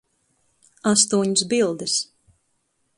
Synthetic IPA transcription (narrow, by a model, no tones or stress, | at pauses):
ast̪uɔɲsbilˠd̪ɨs